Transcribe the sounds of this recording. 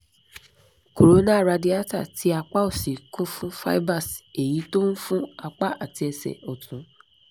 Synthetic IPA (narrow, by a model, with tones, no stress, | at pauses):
ko˨ɾo˨˦nã˦˨ɾa˧di˦a˦ta̰˦˨tʰi˨˦a˧k͡pa˦o˦˨si˨kũ˦fũ˦fa̰˦ba˦˨se˨ji˨˦to˦n̩˦fũ˦a˧k͡pa˦a˦˨ti˧ɛ˧sɛ̰˨ɔ˨tũ˨˦